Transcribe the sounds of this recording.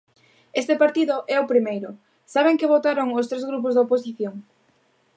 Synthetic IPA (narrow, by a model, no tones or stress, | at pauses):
est̪ɪpaɾt̪iðʊʔɛʊpɾimejɾʊ | saβ̞eŋkɪβ̞ot̪aɾoŋʊst̪ɾezɣɾup̬ʊzðopos̬iθjoŋ